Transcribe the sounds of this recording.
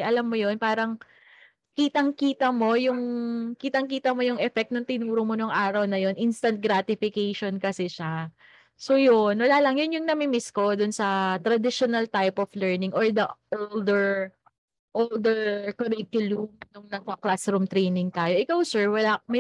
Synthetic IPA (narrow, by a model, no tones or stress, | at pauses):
ʔɐlamːojo̞npaːɾɐŋ | kiːt̪ɐŋkiːt̪ɐmo̞jʊŋkiːt̪ɐŋkiːt̪ɐmo̞jʊŋʔɛfɛk̚t̪nɐŋt̪ɪnuːɾʊmonʊŋʔaːɾɐwnɐjo̞nʔinst̪ɐnt̪̚ɡɾaːt̪ɪfɪkejʃonkɐsɛʃa | sojonwɐlaːlɐŋjʊnjʊŋnɐmɪmɪsko̞d̪ʊnsɐt̪ɾɐd̪ɪʃonɐlt̪ajpɔflɛɹnɪŋʔoɹd̪ɐʔold̪ɛɹ | ʔold̪ɛɹkɐɾɪkjʊlumnʊŋnɐɡ̚kɐklasɾumt̪ɾejnɪŋt̪aːjo̞ʔɪkawsɛɹwɐlamɛ